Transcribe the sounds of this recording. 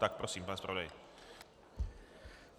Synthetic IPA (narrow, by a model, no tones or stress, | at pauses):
t̪ak̚pɾɔsiːmpaːnspɾaʋod̪aj